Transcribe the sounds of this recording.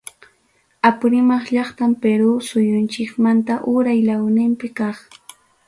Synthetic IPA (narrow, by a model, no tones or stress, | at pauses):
apʊɾɪmɑχʎɑχt̪ampeɾusʊjʊnt͡ʃɪkmant̪aʔʊɾajlawnɪmpɪkɑχ